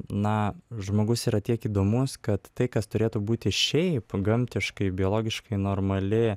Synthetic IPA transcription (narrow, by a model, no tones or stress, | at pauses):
nɐʒmoːɡʊsiːɾɐt̪ʲiɛkiːd̪oːmʊskɐt̪ːɐɪkɐst̪ʊɾʲeːt̪ubuːt̪ʲɪʃʲɛɪpɡɐmʲt̪ʲɪʃkɐɪbʲɪoːlˠoːɡʲɪʃkɐɪnoːrmɐlʲɪ